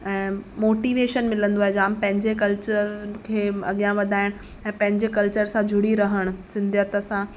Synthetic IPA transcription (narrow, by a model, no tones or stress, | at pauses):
ɛ̃ːmoːʈiːʋeːʃənmɪlə̃nd̪oaːɦed͡ʑaːmpɐ̃ɦɪ̃ɲd͡ʑekɐlt͡ɕəɾkʰeːɐɠijãʋɐd̪ʱaːɪɽ̃ | ɛ̃ːpɐ̃ɦɪ̃ɲd͡ʑekɐlt͡ɕəɾsãd͡ʑʱʊɽ̤iɾɐɦəɽ̃ʊ̆sɪ̃nd̪ʱjət̪əsã